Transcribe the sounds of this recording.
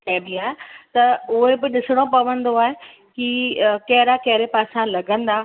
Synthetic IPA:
kɛ̃ːd̪iaːɦet̪ɐʊɦebɪɗɪsɪɽ̃opɐʋə̃nd̪oaːɦe | kikɐɦɪɾakɐɦɪɾepaːsãlɐɡʱə̃nd̪aː

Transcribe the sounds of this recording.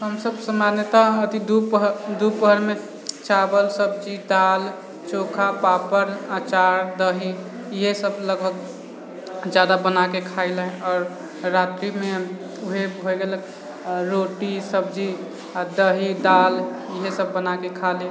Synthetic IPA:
ɦəmsəbsəmanjət̪aət̪id̪upɦd̪upɦəɾme | t͡ʃabəlsəb̚d͡ʒid̪al | t͡ʃokʰapapəɾat͡ʃaɾd̪əɦi | iɦesəbləɡbʱək̚ | d͡ʒjad̪abənakekʰaɪlə̃ɔːɾː | at̪ɾime | uɦebʱoeɡelək | ɾoʈisəbd͡ʒi | d̪əɦid̪aliɦesəbːənakekʰale

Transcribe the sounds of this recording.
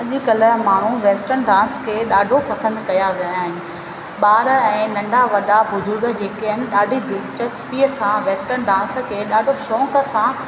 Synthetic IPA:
ɐʄikɐləmaːɳ̤̃ũʋeːsʈəɾnɖãːnskʰeːɗaːɖʱopɐsə̃nd̪kɐjaʋijajaːɦɪnɪ̆ | ɓaːɾəɛ̃ːnɐ̃ɳɖʱaʋɐɗabʊzʊɾɡd͡ʑeːkeənɪ̆ɗaːɖʱid̪ɪlt͡ɕəspiːəsãʋeːsʈəɾnɖãːnskʰeːɗaːɖʱoʃɔ̃ːkəsã

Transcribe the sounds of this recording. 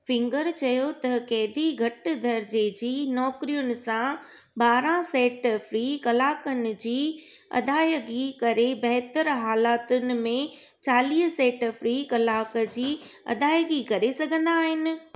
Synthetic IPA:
fɪ̃ŋɡəɾt͡ɕɐjot̪ɐkɛːd̪ʱiɡʱɐʈd̪ʱɐɾd͡ʑed͡ʑiːnɔːkɾijʊnɪ̆sã | baːɾãsɛːʈfɾiːkɐlaːkənɪ̆d͡ʑiː | ɐ̰d̪ʱaːjəɡikɐɾebɐɦt̪əɾɦaːlaːt̪ʊnɪ̆mẽ | t͡ɕaːliːɦsɛːʈfɾiːkɐlaːkə̆d͡ʑiː | ɐ̰d̪ʱaːjəɡikɐɾesɐɡʱə̃nd̪aːɦɪnɪ̆

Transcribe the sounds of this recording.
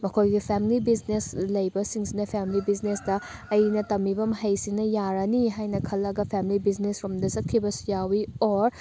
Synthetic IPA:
mɐkʰojɡipʰemilibizneslɐjbɐsiŋsinɐpʰemilibiznesdɐːjnɐtɐmːibɐmɦɐjsinɐjaɾɐniɦajnɐkʰɐlːɐɡɐpʰemilibiznesɾomdɐsɐt̚kʰːibɐsijawioɾ

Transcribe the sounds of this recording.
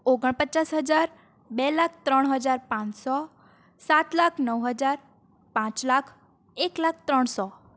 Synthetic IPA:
oɡəɳ̃pət͡ʃasɦəd͡ʒaɾ | bɛlak̚ʰt̪ɾəɽ̃ɦəd͡ʒaɾpãt͡ʃsɔ | sat̪lakʰnəwɦəd͡ʒaɾ | pãt͡ʃlakʰ | eklakʰt̪ɾəɳsɔ

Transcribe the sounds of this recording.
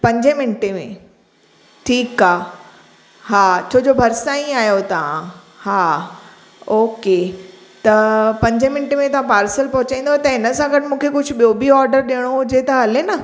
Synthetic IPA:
pɐ̃ɲd͡ʑemɪnɪʈemḛ̃ | ʈʰiːkaː | ɦaːt͡ɕʰoːd͡ʑoːbʱɐɾsaĩaːjot̪ɐʋã̰ | haː | oːke | t̪ɐpɐ̃ɲd͡ʑʱemɪnʈemẽt̪ɐʋãpaːɾsəlpɐɦʊt͡ɕãĩːn̆d̪ot̪ɐɦɪnə̆sãɡɐʈɪmũːkʰekʊd͡ʑʱʊ̆ɓijobiɔːɾɖəɾɗiəɽ̃oʊd͡ʑet̪ɐɦɐlenɐ

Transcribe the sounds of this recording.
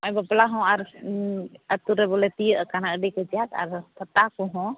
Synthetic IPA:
ɔjbəplaɦɔ̃aɾ | at̪uɾɛbɔlɛt̪ijəʔkanaʔɖikəd͡ʒijaka̰ɾt̪ʰət̪akɔɦɔ̃

